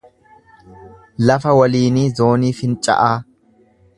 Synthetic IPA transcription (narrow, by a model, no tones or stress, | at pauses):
lɐfɐwɐliːniːzo̞ːniːfɪnt͡ʃʼɐ̰ʔaː